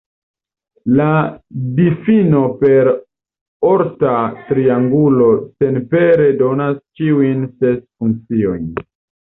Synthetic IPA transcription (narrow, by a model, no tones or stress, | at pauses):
ladifino̞pe̞ɾ | o̞ɾtatɾiaŋɡulo̞se̞npe̞ɾe̞do̞nast͡ʃiujnse̞sfuŋk̚t͡sio̞̰jn